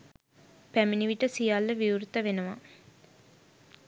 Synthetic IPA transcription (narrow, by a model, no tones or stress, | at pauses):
pæminiʋiʈəsijalːəʋiuɾut̪əʋenəʋa